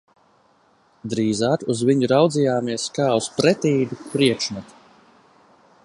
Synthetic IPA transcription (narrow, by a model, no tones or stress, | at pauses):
d̪ɾiːzaːkuzviɲuɾawd̪zijaːmiɛskaːuspɾɛt̪iːd̪upɾiɛkʃnɛt̪